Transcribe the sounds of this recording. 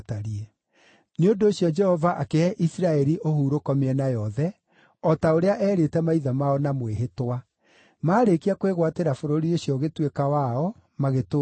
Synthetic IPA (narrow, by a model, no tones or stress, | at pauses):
taɾiɛ | neondoːɕjɔd͡ʒɛhɔvaʔakeɛʔisiɾaɛɾiʔohuːɾokɔmeɛnajɔðɛ | ɔtaoɾeaʔɛːɾetɛmaiðamaɔnamweɦetwa | maːɾekiakweɣwateɾafoɾoɾioɕjɔɣetwekawaɔ | maɣeto